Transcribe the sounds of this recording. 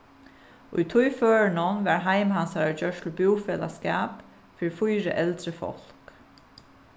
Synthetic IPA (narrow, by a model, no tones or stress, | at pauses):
ʊ̰jt̪ʰʊjføːɹnənʋæɹɦaɪmhansaɹad͡ʒœʂʈ̪lʊbuwfɛːla̰skaːp | fɪɹfʊjɾə̰ʔɛlt̪ɾəfɔ̰l̥k